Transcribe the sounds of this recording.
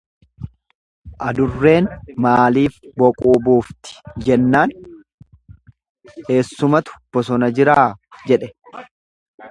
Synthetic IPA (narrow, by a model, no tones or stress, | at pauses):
ʔɐd̪ʊrːe̞ːnmaːliːfbɔkʼuːbuːft̪ɪ̥d͡ʒɛnːaːn | he̞ːsːʊmɐt̪ʊ̥b̥ːɔs̬ɔnɐd͡ʒɪɾaːd͡ʒɛᶑɛ